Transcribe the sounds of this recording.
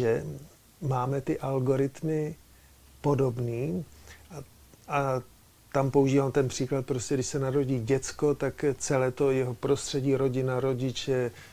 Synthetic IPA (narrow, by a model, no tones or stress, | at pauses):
ɛ | maːmɛt̪ɪʔalɡo̞ɾɪt̪mɪ | po̞do̞bniːa | ʔa | t̪ampouʒiːvaːmt̪ɛnpr̝̥iːklat̪̚pɾoscɛdɪʃsɛnaɾo̞ɟiːɟɛt͡sko̞t̪akt͡sɛlɛːt̪o̞jɛɦopɾo̞st̪r̝̥ɛɟiːɾo̞ɟɪnaɾo̞ɟɪt͡ʃɛ